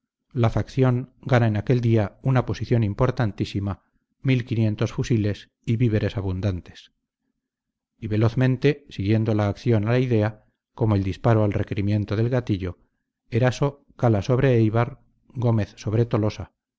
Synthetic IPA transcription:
lafakθjo̞ŋɡanaenake̞ld̪iaunapo̞siθjo̞nimpo̞ɾt̪ant̪isima | milkinje̞nt̪o̞sfusile̞s | iβiβe̞ɾe̞saβund̪ant̪e̞̥s | iβe̞lo̞θmẽnt̪e̞siɣje̞nd̪o̞laːkθjo̞nalaiðe̞a | ko̞moeld̪ispaɾoalreke̞ɾimjẽ̞nt̪oðe̞lɣat̪iʎo̞ | eɾaso̞ | kalaso̞β̞ɾe̞ejβaɾ | ɡo̞me̞θso̞βɾe̞t̪o̞lo̞sa

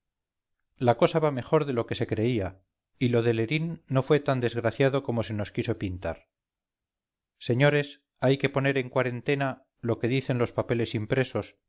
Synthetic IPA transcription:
lako̞saβame̞χo̞ɾðe̞lo̞ke̞se̞kɾe̞ia | ilo̞ðe̞le̞ɾinːo̞fwe̞t̪and̪e̞zɣɾaθjaðo̞ko̞mo̞se̞no̞skiso̞pint̪a̰ɾ | se̞ɲo̞ɾe̞s | ajke̞po̞ne̞ɾe̞ŋkwaɾe̞nt̪e̞na | lo̞ke̞ðiθe̞nlo̞spape̞le̞simpɾe̞so̞s

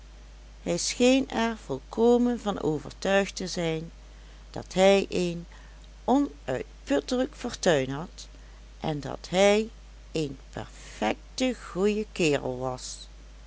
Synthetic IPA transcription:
hɛjsxejnɛɹv̥ɔlˠkʰoːmənvɑno̰ːvə̰ɹtœɥxtəzɛjn | d̥ɑ̰tɦɛjʔejn | ɔnʔœɥt̚pɵtələkfɔːɹtœɥnɦɑt | ʔɛndɑ̰tɦɛj | ejnpɛ̰ɹfɛk̚təɣujəkɪːrə̰lˠʋɑs

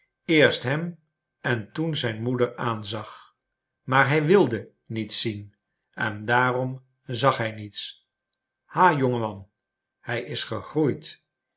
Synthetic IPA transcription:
ɪːɹstɦɛm | ɛntunzɛjnmudəɹaːnzɑχ | maːɹɦɛjʋɪlˠdə | nitsin | ɛndaːrɔm | zɑχɦɛjnits | haːjɔŋəmɑn | hɛjɪsχəχrujt

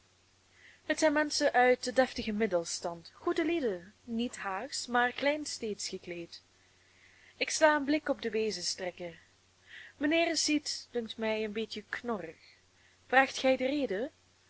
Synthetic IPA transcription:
ɦətsɛjnmɛnsəʔœɥt̚dədɛftəɣəmɪdəlˠstɑntχudəlidənitɦaːxsmaːrklɛjnsteːtsxəkleːt | ɪkslaːənblɪkɔb̚dəʋeːzəstrɛkə | mənɪːrsitd̥ɵŋktmɛjənbetjəknɔrəx | v̥raːxtχɛjdəreːdə

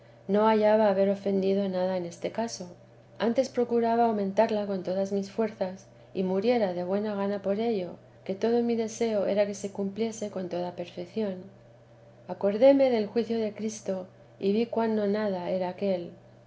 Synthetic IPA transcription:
no̞aʝaβaːβe̞ɾo̞fe̞nd̪iðo̞naðaene̞st̪e̞kaso̞ | ant̪e̞spɾo̞kuɾaβaːwmẽ̞nt̪aɾlako̞nt̪o̞ðazmisfwe̞ɾθas | imuɾje̞ɾaðe̞βwe̞naɣ̞anapo̞ɾe̞ʎo̞ | ke̞t̪o̞ðo̞miðe̞se̞o̞e̞ɾake̞se̞kumplje̞se̞ko̞nt̪o̞ðape̞ɾfe̞kθjo̞n | ako̞ɾðe̞me̞ðe̞lxwiθjo̞ðe̞kɾist̪o̞ | iβikwanːonaðae̞ɾaːke̞l

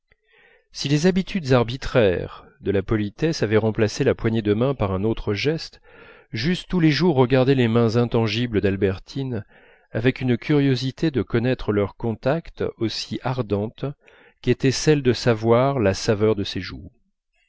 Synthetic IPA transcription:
silezabit̪ʰyd̪zaʁbit̪χɛʁ | d̪əlapɔlit̪ɛsavɛʁɑ̃plaselapwaɲed̪əmɛ̃paʁɛ̃not̪χəʒɛst̪ | ʒyst̪ːuleʒuʁːəɡaʁd̪ɛlemɛ̃zɛ̃t̪ɑ̃ʒibləd̪albɛʁt̪ʰin | avɛkynkʰʲyʁjozit̪ed̪əkɔnɛt̪χəlœʁkɔ̃t̪akt̪osiʔaʁd̪ɑ̃t̪ | ket̪ɛsɛld̪əsavwaʁlasavœʁd̪əseʒṵ

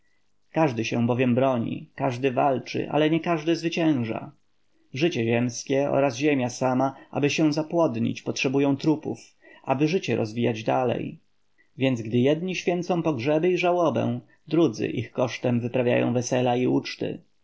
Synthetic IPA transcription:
kaʐd̪ɘɕɛw̃bɔvʲjɛmbɾɔɲḭkaʐd̪ɘvalt͡ʂɘ̰ʔa̰lɛɲɛkaʐd̪ɘzvɘt͡ɕɛ̃w̃ʐa̰ | ʐɘt͡ɕɛʑɛmskʲɛɔ̰ɾazʑemʲjasamaʔa̰bɘɕɛ̃w̃zapwɔd̪ɲḭt͡ɕpɔtʂɛbujɔ̃w̃t̪ɾupuf | ʔabɘʐɘt͡ɕɛɾɔ̰zvʲijad͡ʑd̪alɛ̰j | vʲjɛnd̪zɡd̪ɘjɛd̪̚ɲiɕfʲjɛnt̪sɔ̃w̃pɔɡʐɛbɘiʐawɔbɛ̰̃ | d̪ɾud̪zɘ̰ʔixkɔʂt̪ɛmvɘpɾavʲja̰jɔ̰̃w̃vɛsɛlaiut͡ʂt̪ɘ̰

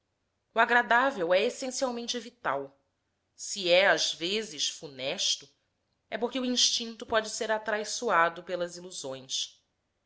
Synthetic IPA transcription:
uaɡɾad̪avewɛesẽsiawmẽnt͡ʃɪvit̪a̰w | siɛazvezɪʃfunɛʃt̪ʊ | ɛpoɾkɪuĩʃt͡ʃĩnt̪ʊpɔd͡ʒɪseɾat̪ɾajsuad̪ʊpelɐziluzõj̃s

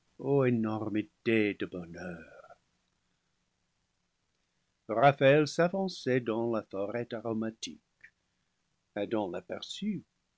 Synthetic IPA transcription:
oenɔʁmitedəbɔnœːʁ | ʁafaɛlsavɑ̃sɛdɑ̃lafɔʁɛtaʁomatʰik | edɑ̃lapɛʁsy

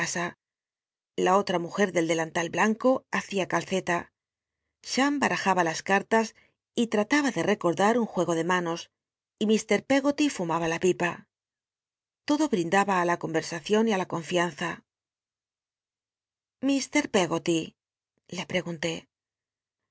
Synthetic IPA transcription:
sa | lao̞t̪ɾamuxe̞ɾðe̞ld̪e̞lant̪alblaŋko̞aθiakalθe̞t̪a | ʃambaɾʔaxaβalaskaɾt̪as | it̪ɾat̪aβaðe̞re̞ko̞ɾðaɾuŋxwe̞ɣ̞o̞ðe̞mano̞s | imist̪e̞ɾpe̞ɣo̞t̪ifumaβalapipa | t̪o̞ðo̞βɾind̪aβaːlako̞mbe̞ɾsaθjo̞nialako̞ɱfian̟θa | mist̪e̞ɾpe̞ɣo̞t̪i | le̞pɾe̞ɣunt̪e̞

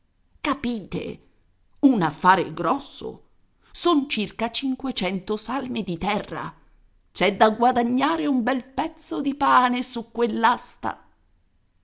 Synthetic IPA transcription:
kapiːt̪ḛ | unafːaːɾḛɡɾɔsːo̰ | sont͡ʃirkat͡ʃiŋkwet͡ʃɛnt̪osalmid̪it̪ɛrːa̰ | t͡ʃɛd̪ːaɡwad̪aɲːaːɾeumbɛlpɛt̪sːod̪ipaːnesukːwelːast̪a̰

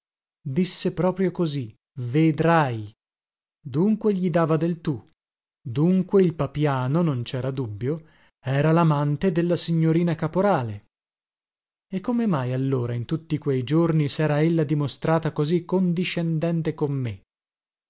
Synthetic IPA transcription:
d̪isːepɾɔːpɾjokozi | ved̪ɾaj | d̪uŋkweʎid̪aːvad̪elt̪u | d̪uŋkweilpapjaːnonont͡ʃɛːɾad̪ubːjo | ɛːɾalamant̪ed̪elːasiɲːoɾiːnakapoɾaːle | ekːomemajalːoːɾaint̪ut̪ːikwejd͡ʒornisɛːɾaelːad̪imost̪ɾaːt̪akozikːond̪iʃːend̪ɛnt̪ekomːe

